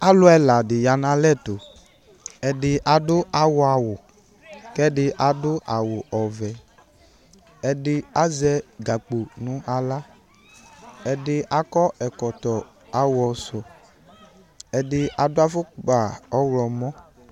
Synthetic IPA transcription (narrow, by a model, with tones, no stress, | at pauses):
a˦lʊ˦ɛ˧la˨dɪ˨ja˨nã˨lɛ˦˨to˨ | ɛ˧dɪ˧ʔa˨dʊ˦ʔa˨wʊ˨a˧wʊ˨ | kɛ˦dɪ˧ʔa˨dʊ˦ʔa˨wʊ˨ʔɔ˨vɛ˨ | ɛ˧dɪ˧a˦zɛ˧ɡa˨k͡po˨nũ˨˦ʔa˧la˦ | ɛ˧dɪ˧a˨kɔ˦ɛ˨kɔ˨tɔ˨ | a˨wɔ˧sʊ˨ | ɛ˨dɪ˧a˨dʊ˦a˦fʊ˦˨k͡pa˨ɔ˦wlɔ˨mɔ̃˦